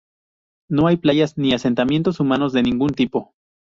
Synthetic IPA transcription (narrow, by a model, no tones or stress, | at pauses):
no̞ajplaʝazniase̞nt̪amje̞nt̪osumano̞zðe̞nĩŋɡunt̪ipo̞